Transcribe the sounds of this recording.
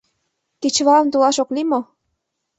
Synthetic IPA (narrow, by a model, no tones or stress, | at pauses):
ket͡ɕβɑə̆mt̪ulɑʃoklimo